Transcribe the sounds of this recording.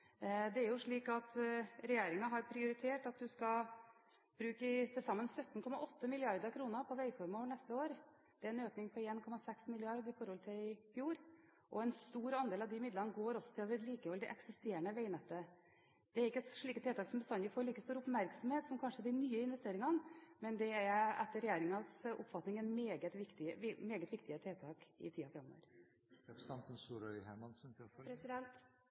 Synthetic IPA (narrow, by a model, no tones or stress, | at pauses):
d̪ɛæɾjʊʂɭiːkɑt̪ɾɛjeːɾɪŋɑɦɑɾpʰɾɪʊɾɪt̪ʰeːʈɑt̪̚d̪ʉskɑ | b̥ɾʉːkət̪ʰɪlsɑmːənsœt̪ːn̩kʰɔmɑʔɔt̪ʰːəmɪlɪɑɾd̪əɾkʰɾuːnəpʰɔʋæɪfɔɾmɑʋəɳɛst̪əoːɾ | d̪̥ɛæɾɛnøːknɪŋpʰɔeːnkʰɔmɑsɛksmɪlɪɑɾd̪ɪfɔɾhɔlt̪ʰɪɪfjuːɾ | ʔɔɛnst̪uːɾɑnd̪eːlɑʋd̪ɪmɪd̪lənəɡoːɾɔsɔt̪ʰɪlɔʋɪd̪liːkəɔld̪ɪʔɛksɪst̪eːɾəɳəʋæɪnɛt̪ːə | d̪̥ɛæɾɪkːəʂɭiːkət̪ʰeːt̪ɑːksɔmbəst̪ɑnd̪əfoːɾɭiːkəst̪uːɾʊpmæɾksɔmheːt̪sɔmkʰɑnʂəæd̪ɪnyːəɪnʋɛst̪eːɾɪŋɑnmɛnd̪ɛæɾɛt̪ːəɾɛjeːɾɪŋɑsʊ̰pːfɑt̪nɪŋɛnmeːɡət̪ʋɪkt̪ɪəmeːɡət̪ʋɪkt̪ɪət̪ʰeːt̪ʰɑːkɪ̰t̪ʰiːɑfɛmːo̰ːɾ | sɑnt̪ənsuːɾœʏhæmɑnsmpɾɛsɪɛnt̪